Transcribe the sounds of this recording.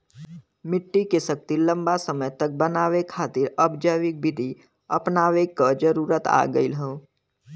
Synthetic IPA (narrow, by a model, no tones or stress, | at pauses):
mɪʈːikesək̚t̪ilə̃mbasəməjt̪ək̚bənaːʋekʰaːt̪ɪɾəbd͡ʒəʋɪk̚bɪd̪ʱi | əpnaːʋekəd͡ʒəɾuːɾət̪a̰ːɡəilɦõː